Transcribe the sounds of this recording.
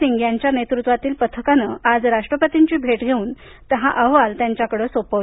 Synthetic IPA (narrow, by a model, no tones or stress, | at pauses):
iŋɡjaɲt͡ɕjanet̪ɾut̪ʋat̪iːlpət̪ʰəkanəad͡zɾaʂʈɾəpət̪iɲt͡ɕiːbʱeʈɡʱeuːn | t̪əɦaʔəɦʋalt̪jaɲt͡ɕjakəɽəːsopə